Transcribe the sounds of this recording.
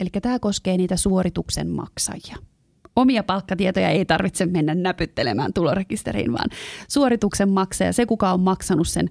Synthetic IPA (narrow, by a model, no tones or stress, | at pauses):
elikːæt̪æːkoskeːniːt̪æsuorit̪uksḛmmɑ̰ksɑ̰jjɑ | omiɑpɑlkːɑt̪iet̪ojɑ̰eit̪ɑrʋit̪semmenːænnæpyt̪ːelemæ̰ːnt̪ulorekist̪eɾḭːnʋɑ̰ːnsuoɾit̪uksemmɑksɑ̰jɑ̰sekukɑomːɑksɑnussen